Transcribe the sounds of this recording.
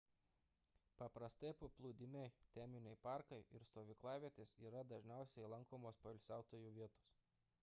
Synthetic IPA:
pɐpɾɐst̪ɐɪpʊplˠuːd̪ʲɪmʲɛɪt̪ʲɛmʲɪnʲɛɪpɑˑɾkɐɪʔɪɾst̪oːʋʲiklˠɑːʋʲiɛt̪ʲesiːɾɐd̪ɐʒʲnʲæˑʊsʲɛɪlˠɐŋkoːmoːspɐɪlʲsʲæˑʊt̪oːjuːʋʲiɛt̪o̥ːs

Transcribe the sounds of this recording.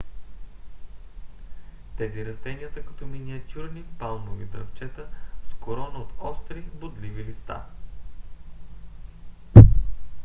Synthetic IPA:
t̪ɛziɾɐst̪ɛniəsɐkɐ̥t̪ɔminiɐt̪ʲuɾnipalˠnovid̪ɾɐft͡ʃɛt̪əskoɾɔnəot̪ɔst̪ɾibod̪livilist̪a̰

